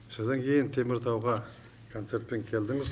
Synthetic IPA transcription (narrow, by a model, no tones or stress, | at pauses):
sod̪ɑŋkʲʰe̞jɪnt̪ʰe̞mɪɾt̪ʰɑwʁɑ | kʰo̞nt̪se̞ɾt̪̚pe̞ŋkʲʰe̞ld̪ɪŋɪz